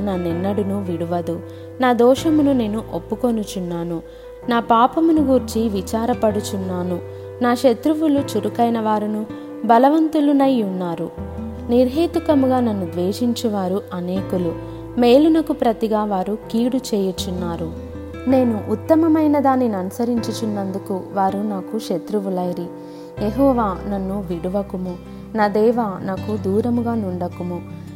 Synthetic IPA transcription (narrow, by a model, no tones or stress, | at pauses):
nɐnːɛnːɐɽunuʋiɽuʋɐd̪u | naːd̪ɔːʃɐmunune̞ːnuʔopːukonut͡ʃunːaːnu | naːpaːpɐmunuɡuɾt͡ʃiʋit͡ʃaːɾɐpɐɽut͡ʃunːaːnu | naːʃet̪ɾuʋulut͡ʃuɾukɐjnɐʋaːɾunu | bɐlɐʋɐnt̪ulunɐjunːaːɾu | niɾɦiːt̪ukɐmuɡaːnɐnːud̪ʋeːʃiɲt͡ʃuʋaːɾuʔɐneːkulu | me̞ːlunɐkupɾɐt̪iɡaːʋaːɾukiːɽut͡ʃɛːjut͡ʃːunːaːɾu | ne̞ːnuʔːt̪ːɐmɐmɐjnɐd̪aːnːinɐnusɐɾiɲt͡ʃut͡ʃunːɐnd̪ukuʋaːɾunaːkuʃet̪ɾuʋulɐjɾi | jeɦɔːʋaːnɐnːuʋiɽuʋɐkumu | naːd̪ɛːʋaːnaːkud̪uːɾɐmuɡaːnuɳɖɐkumu